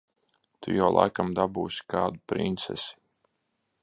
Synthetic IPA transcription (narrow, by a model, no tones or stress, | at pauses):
t̪ṵjawlˠa̰jkamd̪abuːsʲi̥kaːd̪upɾḭnt̪sɛ̰sʲi̥